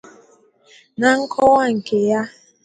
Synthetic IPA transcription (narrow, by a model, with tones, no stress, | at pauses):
na˨ŋ̩˦kʰɔ˦wa˦ŋ̩˨ke˨ja˦